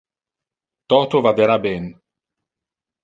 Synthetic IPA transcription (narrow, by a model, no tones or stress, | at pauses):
t̪ɔːt̪ovad̪eɾabɛn